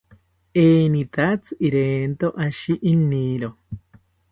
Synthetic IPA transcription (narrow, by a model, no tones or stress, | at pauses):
eːnit̪at͡sɨiɾeːnt̪oʔaʃiʔiniɾo